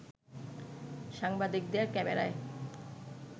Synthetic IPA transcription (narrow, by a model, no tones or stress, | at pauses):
ʃaŋbad̪ik̚d̪eaɾkɛmḛɾa̰e